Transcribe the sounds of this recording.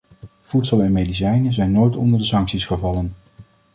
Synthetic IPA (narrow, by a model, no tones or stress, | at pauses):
vutsəlˠɛnmejdis̬ɛjnəzɛjnːojtɔndəɹdəsɑŋksisχəvɑlən